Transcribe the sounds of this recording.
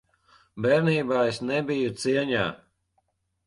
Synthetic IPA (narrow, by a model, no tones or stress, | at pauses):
bɛɾniːbaːesnɛbijut̪siɛɲa̰ː